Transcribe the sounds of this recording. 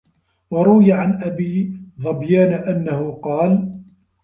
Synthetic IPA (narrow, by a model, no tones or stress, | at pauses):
wɑɾˤʊwɪjaʕanʔabiːðˤɑbjaːnaʔanːahʊqɑːl